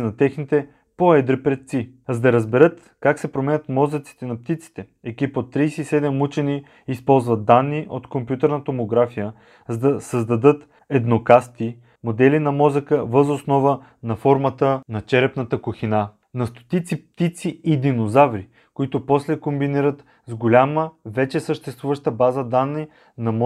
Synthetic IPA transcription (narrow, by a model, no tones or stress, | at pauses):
nɐt̪ɛxnit̪ɛ | poɛd̪ɾipɾɛt̪̚t̪si | zd̪ɐɾəzbɛɾɤt̪ | kaksɛpɾomɛnʲət̪mɔzət̪si̥t̪ɛnɐp̚t̪it̪si̥t̪ɛ | ɛkipot̪ːɾijsɛisɛd̪ɛmut͡ʃɛniː | spɔlˠzvɐt̪̚ːanːiʔot̪kompjut̪ɛɾnət̪omoɡɾafijə | zɐd̪ɐsəzd̪ɐd̪ɤt̪ | ɛd̪nokast̪i | mod̪ɛlinɐmɔzəkəvəzosnɔvə | nɐfɔɾmət̪ənɐt͡ʃɛɾɛpnɐt̪əkʊxina | nɐst̪o̥t̪it̪sip̚t̪it̪siid̪inozavɾi | koit̪ʊpɔslɛkombiniɾət̪ | zɡolʲaməvɛt͡ʃɛsəʃt̪ɛst̪vuvəʃt̪əbazəd̪anːi | nɐm